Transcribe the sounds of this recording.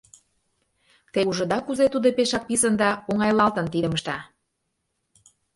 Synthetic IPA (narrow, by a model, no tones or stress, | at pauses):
t̪euʒə̆d̪ɑkuzet̪ud̪opeʃɑk̚pisə̆nd̪ɑoŋɑjlɑlt̪ə̆nt̪id̪ə̆məʃt̪ɑ